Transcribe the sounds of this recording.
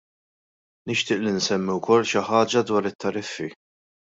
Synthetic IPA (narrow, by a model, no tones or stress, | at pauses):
nɪʃt̪ɪːʔlinsɛmːiwkɔlːʃɪħɐːd͡ʒɐd̪wɐːɾɪt̪ːɐɾɪfːi